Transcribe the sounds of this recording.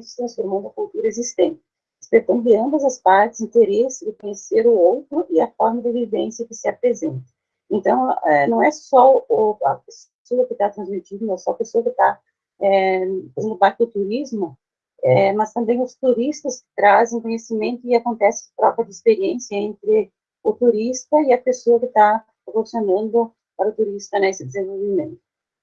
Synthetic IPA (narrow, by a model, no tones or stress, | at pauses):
ʊst̪ɾɐ̃sfoɾmɐ̃nd̪ʊɐkult̪uɾɐezist̪ẽnt͡ʃ̪ɪ̥ | ɪspeɾt̪ɐ̃ndʊɪɐ̃mbɐzɐspaɾt̪ɪ̥zĩnt̪eɾesɪd̪ɪkõɲeseɾʊowt̪ɾʊʔɪɐfɔɾmɐd̪ɪvivẽsjɐkɪsɪapɾezẽnt̪ɐ̥ | ẽnt̪ɐ̃w̃ɛnɐ̃w̃ɛsɔʊʊɐ̰pes | soɐkɪt̪at̪ɾɐ̃zmit͡ʃid̪ɐnɛsɔɐpesoɐkɪt̪a | ɛfazẽnd̪ʊbaɾt̪ɪd̪ʊt̪uɾizmʊ | ɛmɐst̪ɐ̃mbẽj̃ʊst̪uɾist̪ɐskɪ̥t̪ɾazẽj̃kõɲesimẽnt̪ʊɪakõnt̪ɛsɪ̃p̪ɾɔvɐd͡ʒɪispeɾiẽnsjɐẽnt̪ɾɪ | ʊt̪uɾist̪ɐɪɐpesoɐkɪt̪apɾvosjonɐ̃nd̪ʊ | paɾɐʊt̪uɾist̪ɐnesɪd̪ezẽvowvimẽnt̪ʊ